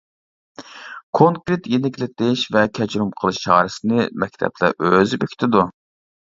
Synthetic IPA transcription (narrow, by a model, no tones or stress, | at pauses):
kʰoŋkɾet̪jenɪkʲlɪt̪ɪʃvɛkʲʰɛd͡ʒɾumqʰəlˠɨʃt͡ʃʰɑːɾɨsɨnɨmɛkʲt̪ʰɛ̰plæ̰ʔøzybøkʲt̪ʰɪd̪u